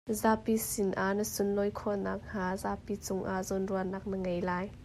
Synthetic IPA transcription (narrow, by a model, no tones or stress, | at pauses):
zaːpisɪnʔaʔnəsʊnlɔjkʰɔnaːk̚n̥aːzaːpit͡sʊŋʔaʔzɔnruɐnaːk̚nəŋejlaːj